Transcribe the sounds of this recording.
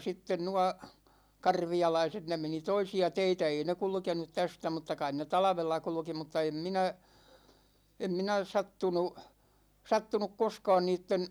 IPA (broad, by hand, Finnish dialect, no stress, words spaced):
sitːen nuɑ kɑrʋiɑlɑiset ne meni toisiɑ teitæ ei ne kulkenut tæstæ mutːɑ kɑin ne tɑlɑ̆ʋelːɑ kulŭki mutːɑ em minæ em minæ sɑtːunu sɑtːunuk koskɑːn niːtːen